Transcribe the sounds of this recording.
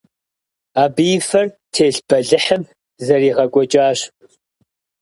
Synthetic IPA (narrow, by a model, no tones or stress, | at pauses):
aːbijfɐr | tʰeːɬb̥ɐɮɨħəm | zɐriːʁɐkʷʼɔt͡ʃʼaːɕ